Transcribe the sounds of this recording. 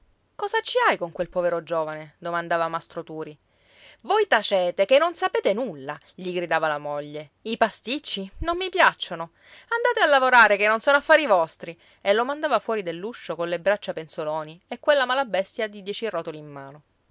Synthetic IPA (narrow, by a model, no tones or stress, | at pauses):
kɔːzat͡ʃːiajkoŋkwelpɔveɾod͡ʒoːvaned̪omand̪aːvamast̪ɾot̪uːɾi | vojt̪at͡ʃɛːt̪ekenːonsapeːt̪enulːa | ʎiɡɾid̪aːvalamoʎːe | ipast̪it͡ʃːinonːipjat͡ʃːono | and̪aːt̪ealːavoɾaːɾekenːonsɔːnoafːaːɾivɔst̪ɾi | elːomand̪aːvafwɔːɾid̪elːuʃːokonlebɾat͡ʃːapensolɔːniekːwelːamalabɛst̪jad̪id̪jɛt͡ʃirɔt̪oliːmːaːno